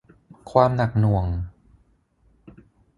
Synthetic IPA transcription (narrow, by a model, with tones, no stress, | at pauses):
kʰwaː˧mna˨˩k̚nu˨˩əŋ